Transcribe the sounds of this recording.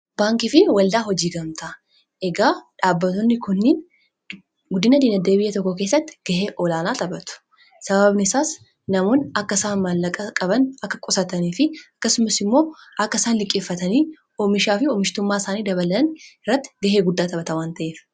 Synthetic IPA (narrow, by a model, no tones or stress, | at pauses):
baːŋkɪfɪwɐld̪aːɦɔd͡ʒiːɡɐmt̪ɐ | ʔɛɡaːᶑaːbːɐt̪ɔnːɪkʊnːɪːn | ɡʊd̪ːɪnɐd̪iːnɐd̪eːbɪjːɛt̪ɔkːɔke̞ːs̬ːɐt̪ːɪ̥ɡ̥ɐɦeːʔɔlaːnaːt̪ɐbɐt̪ʊ̥ | sɐbɐbnɪsaːs | nɐmoːnɐkːɐsaːnmɐlːɐkʼɐkʼɐbɐnɐkːɐkʼɔsɐt̪ɐniːfɪɐkːɐsʊmɐsɪmːo̞ːʔɐkːɐsaːnlɪkʼːeːfːɐt̪ɐniː | ɔmɪʃaːfɪɔːmɪʃt̪ʊmːaːɪsaːniːd̪ɐbɐlɐɐnɪrːɐt̪ːɪ̥ɡɐɦeːɡʊd̪ːaːt̪ɐbɐt̪ɐwaːnt̪ɐʔeːf